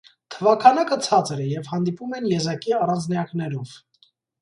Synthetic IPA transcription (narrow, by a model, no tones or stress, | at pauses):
t̪ʰəvɑkʰɑnɑkət͡sʰɑt͡səɾɛjɛvhɑnd̪ipumɛnjɛzɑkiɑrɑnt͡sʰnɑjɑknɛɾɔv̥